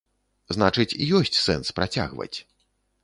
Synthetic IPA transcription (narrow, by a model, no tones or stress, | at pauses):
znat͡ʂɨt͡sʲijɔsʲt͡sʲsɛnspɾat͡sʲa̰ɣvɐ̰t͡sʲ